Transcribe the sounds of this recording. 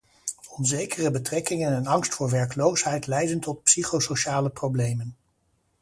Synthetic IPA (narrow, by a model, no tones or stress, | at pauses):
ɔnzejkərəbətrɛkɪŋənɛnɑŋstfʊːɹʋɛɹkəlowsɦɛjtlɛjdəntɔt̚psiχowsoʃaːləprowblejmən